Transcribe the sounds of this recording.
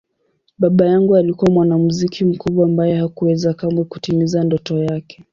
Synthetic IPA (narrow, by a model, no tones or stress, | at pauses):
ɓaɓajaŋɡualikuwamwanamuzikʰim̩kuɓwaːmbajɛhakuwɛzakamaku̥timizandɔtɔjakɛ̥